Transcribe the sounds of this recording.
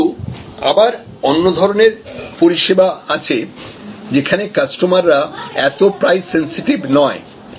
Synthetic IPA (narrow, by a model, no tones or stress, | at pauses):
ua̰baɾ | onːod̪ʱɔɾoneɾpoɾiʃebaat͡ɕʰed͡ʑekʰanekasʈomaɾːaɛt̪opɾajsensiʈibnɔe